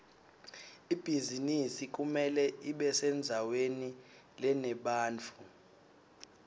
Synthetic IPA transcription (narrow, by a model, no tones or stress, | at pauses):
ib̥ʱizinisik̬ʼumɛlɛiɓɛsɛnd͡zʱaweni | lɛnɛɓaːnt͡fʰu